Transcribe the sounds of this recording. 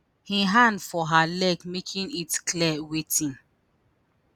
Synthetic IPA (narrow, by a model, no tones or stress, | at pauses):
hiɦãndfɔɦalɛɡmekʰĩnitklɛwetĩn